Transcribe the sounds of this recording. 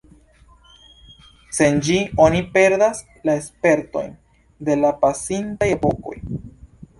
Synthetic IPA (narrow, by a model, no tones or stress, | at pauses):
se̞nd͡ʒio̞nipe̞ɾdas | lae̞spe̞ɾto̞̰jn | de̞lapasintajepo̞ko̞̰j